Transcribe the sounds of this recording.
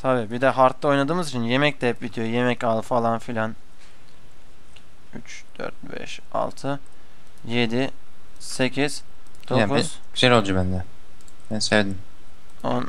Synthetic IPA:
t̪ʰabiːbid̪ɛɦaɾt̪ʰlˠao̞jnad̪ɯːmɯzit͡ʃʰinje̞mɛc̚d̪ɛp̚bit̪ʰijoje̞mɛcalˠfalˠanfilʲan | y̰t͡ʃ | d̪̥ø̰ɾt̪̚bɛ̰ʃ | a̰lˠt̪ʰɯ | je̞d̪i | se̞cʰiz̥ | d̪oaku̥ | ɡyzɛlʲo̞lˠd͡ʒubænd̪ɛ | bænsevd̪im | o̰n

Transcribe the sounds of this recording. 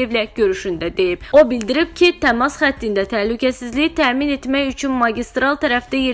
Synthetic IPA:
evlæɟø̞ɾyʃynd̪æd̪e̞jibo̞bild̪iɾib̥cʰit̪ʰæmɑsχæt̪ːind̪æt̪ʰæhlycʰæsizliit̪ʰæːmine̞t̪mæjyt͡ʃʰynmɑɟist̪ɾɑlˠt̪ʰæɾæfd̪̥æje

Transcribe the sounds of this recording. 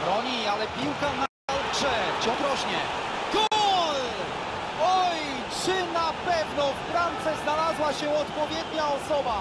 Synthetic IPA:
bɾɔɲialɛpʲiwkana | alt͡ʂɛt͡ɕɔ̃b̪ɾɔɕɲɛ | k̪ɔ | ɔj | t͡ʂɘnapɛvnɔfɾant̪sɛznalazwaɕɛɔt̪pɔvʲjɛd̪ɲaɔsɔba

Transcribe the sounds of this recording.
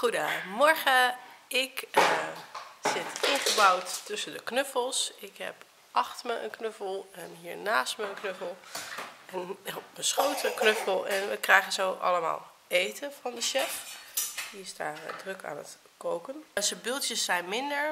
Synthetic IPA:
χudəmɔɹχəɪk | z̥ɪtɪnχəbawtːɵsəndəknøfəlˠsɪkɦɛ̰p | ʔɑχtməʔə̰nknøfəlˠɛnɦiːɹnaːstməənknøfəlˠ | ɛnməsχowtəknøfəlˠɛnʋəkrɛjχənzowʔɑ̰ləma̰ːlˠ | ejtəfɑndəʃɛfdiɪsdaːrdrɵka̰ːnə̰t | kowkənsəbɪlˠtjəsːɛjnmɪndəɹ

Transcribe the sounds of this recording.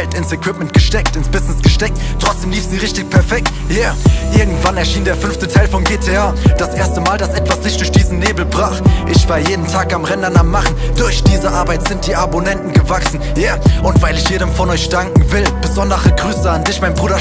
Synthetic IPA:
ɛltɪnsɛkw̥ɪpmɛnt̚ɡ̥əʃtɛk̚tɪnsb̥ɪznɪsɡ̥əʃtɛk̚t | tʰːʁ̥ɔt͡sd̥eːmliːfz̥iːʁɪçtɪçpʰɛɐfɛk̚t | jaːʔɪɐɡŋ̩tv̥anɛɐʃiːndeːɐfʏnftətʰaɪlfɔmɡeːtʰeaɐd̥asʔeːɐstəmaːldasʔɛtv̥aszɪçtd̥ʊɐçd̥iːzn̩neːbl̩bʁaːχʔɪçv̥aːɐjeːdn̩tʰaːkamʁɛndɐnaːmːaχn̩d̥ʊɐçd̥iːzəʔaɐbaɪtz̥ɪnt̚d̥iːʔabonɛntn̩ɡəvaksn̩ | jaːʔʊntv̥aɪlɪçjeːdəmfɔnɔʏçd̥aŋkŋ̩vɪlb̥əzɔndɐʁəɡʁyːsəandɪçmaɪnbʁuːɾɐ

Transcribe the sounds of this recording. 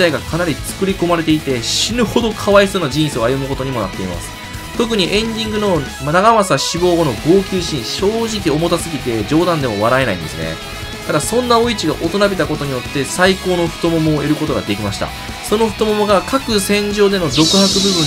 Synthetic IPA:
aiɡakʰanaɾʲit͡sɨ̥kɯ̟ɾʲiko̞maɾe̞t̪e̞it̪e̞ɕinɯ̟ho̞d̪o̞kʰaβaisɨːnaʑĩɰ̃seo̞ajɯ̟mɯ̟ko̞t̪oɲ̟imo̞na̰t̪ːe̞ima̰sɨ̥ | t̪o̞k̬ɯ̟ɲ̟iʔẽ̞ɲd̪ʲĩŋɡɯ̟no̞ | naɡamasaɕibo̞ːɡo̞no̞ɡo̞ːkʲɨːɕĩɰ̃ɕo̞ːʑik̬ʲio̞mo̞t̪asɨɡʲit̪e̞d͡ʑo̞ːd̪ãnd̪e̞mo̞β̞aɾae̞na̰ḭ̃nd̪esɨnḛ | t̪ad̪asõ̞nːao̞it͡ɕiɡa̰ʔo̞t̪o̞nabet̪ako̞t̪o̞ɲ̟ijo̞t̪ːe̞saiko̞ːno̞ɸɯ̟̥t̪o̞mo̞mo̞ːe̞ɾɯ̟ko̞t̪o̞ɡad̪e̞kʲimaɕi̥t̪a̰ | so̞noɸɯ̟t̪omomo̞ɡakakɯ̟sẽ̞ɲ̟d͡ʑo̞ːd̪e̞nod̪o̞kɯ̟hakɯ̟bɯ̟bɯ̟̃

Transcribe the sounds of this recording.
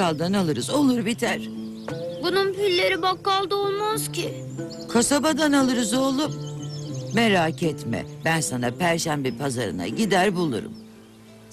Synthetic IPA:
alˠd̪analˠɯɾɯzo̞lˠuɾbit̪ʰæɾ̥ | bununpylʲːe̞ɾibakːalˠd̪aolˠmazcʰɪ | kʰasabad̪analˠɯɾɯzo̞lˠup | meɾaːcʰɛt̪mɛ̰bænsanapʰæɾʃæmbipʰazaɾɯ̰na̰ɟid̪æɾbulˠṵɾṵm

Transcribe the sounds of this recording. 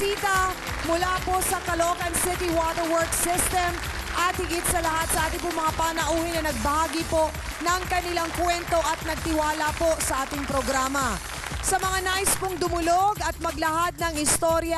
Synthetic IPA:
sit̪ɐ | mʊlapo̞sɐkɐlookɐnsɪt̪ɪwat̪ɛɹwɔɹksɪst̪ɛm | ʔɐt̪̚hɪɡɪt̪sɐlɐhat̪̚sɐʔaːt̪ɪŋpʊŋmɐŋapaːnɐʔuːhɪnɐnɐɡ̚bɐhaːɡɪpo̞ʔ | nɐŋkɐnɪlaŋkwɛnt̪o̞ʔɐt̪̚nɐɡ̚t̪ɪwaːlɐpo̞sɐʔaːt̪ɪŋpɾoɡɾamɐ | sɐmɐŋanaʔɪspʊŋd̪ʊmʊloɡɐt̪̚mɐɡ̚lɐhad̪̚nɐŋɪst̪o̞ɾjɐ

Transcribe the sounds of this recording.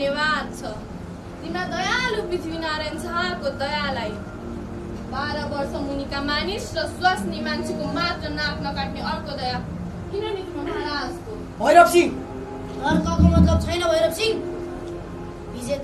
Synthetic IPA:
jebad̪̚t͡sʰʌ | t̪inad̪ʌjaluk̚bit̪ʰibinaɾent͡sʰʌakod̪ʌjalaj | baɾʌbʌrsʌmunikamanisrʌswasnemant͡sʰikomat̪rʌnaknʌkaʈneʌrkod̪ʌja | kinʌnit̪unaɾad͡zk̪o | bʱʌjɾʌkt͡sʰi | nʌɾkʌɡʌmʌt̪lʌb̚t͡sʰʌjnʌbʱʌjɾʌk̚t͡sʰi | bʱid͡ze

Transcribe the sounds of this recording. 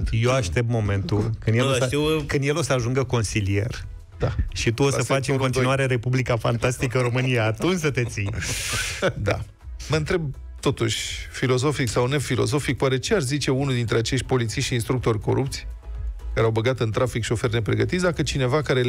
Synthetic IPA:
t̪jewaʃt̪e̞p̪̚mo̞me̞nt̪ukɨnd̪jelot̪iwkɨnd̪jelo̞səaʒuŋɡəko̞nsilie̞̰r | d̪aʃit̪uossəsfat͡ʃʲɨ̃ŋko̞nt̪inuaɾe̞ɾe̞publikafa̰nt̪ast̪ikəɨɾo̞mɨnijat̪unt͡ʃsət̪e̞t̪si | d̪a̰ | mənt̪ɾe̞b̚ | t̪o̞t̪uʃʲfilo̞zo̞fiksawne̞filo̞̰zo̞fik̚poaɾet͡ʃearzit͡ʃe̞unuld̪int̪ɾeat͡ʃe̞ʃt̪̚ʲpo̞lit̪siʃt̪inst̪ɾuk̚t̪o̞rʲko̞̰ɾupt̪sʲ | kaɾeawbəɡat̪ɨnt̪ɾafikʃio̞fe̞rne̞pɾe̞ɡət̪it̪s̬ʲd̪akət͡ʃine̞vakaɾe

